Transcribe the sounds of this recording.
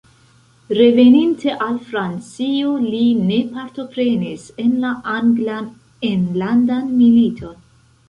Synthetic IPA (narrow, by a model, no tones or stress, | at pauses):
ɾe̞ve̞ninte̞ʔalfɾant͡sioline̞paɾto̞pɾe̞nise̞nlaʔanɡlan | enlandanmilitʰo̞n